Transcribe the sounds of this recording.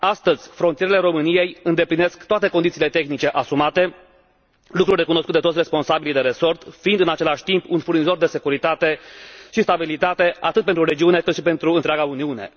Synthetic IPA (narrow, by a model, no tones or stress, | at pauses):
ast̪əzʲfɾonijeɾele̞ɾo̞mɨnije̞jɨnd̪epline̞skt̪oat̪e̞ko̞nd̪it̪sile̞t̪e̞xnit͡ʃe̞ʔasumat̪e̞ | lukɾurʲde̞kunoskut̪d̪et̪osʲre̞spo̞nsabilid̪eɾe̞so̞rt̪fiind̪ɨnat͡ʃe̞laʃʲt̪impunfurnizo̞rd̪e̞se̞kuɾit̪at̪e̞ʃist̪abilit̪at̪e̞ʔat̪ɨt̪̚pent̪ɾuɾe̞d͡ʒiune̞kɨt̪ʃipe̞nt̪ɾuɨnt̪ɾʲeaɡauniune̞̰